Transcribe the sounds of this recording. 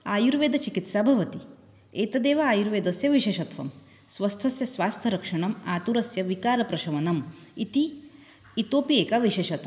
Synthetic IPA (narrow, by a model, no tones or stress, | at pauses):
aːjuɾʋeːd̪ʱɐt͡ʃikit̪saːbʱɐʋɐt̪i | eːt̪ɐd̪eːʋɐaːjuɾʋeːd̪ɐsjɐʋiʃeːʃɐt̪ʰʋɐ̰m | sʋɐst̪ʰɐsjɐsʋaːst̪ʰɐɾɐkʂɐɳɐmaːt̪uɾɐsjɐʋikaːɾɐpɾɐʃɐʋɐnɐmit̪iː | t̪oːpieːkaʋiʃeːʃɐt̪ɐ